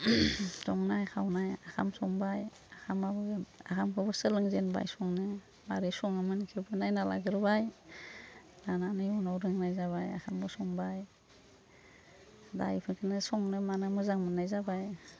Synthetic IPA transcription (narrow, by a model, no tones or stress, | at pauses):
sɔŋnajkʰawnajakʰa̰msɔŋbaj | akʰamabɯa̰kʰamkʰɯbɯsɯlɯŋzenba̰jsɔŋnɯ | maɾɯsɔŋɯmɯnkʰibʰɯnajnala̰ɡɯɾɯbaj | nananɯjɔnawɾɯŋnajzaβaja̰kʰambɯsɔŋbaj | da̰jpʰɯkʰɯnɯsɔŋnɯmanamɯzaŋmɯnːajzabaj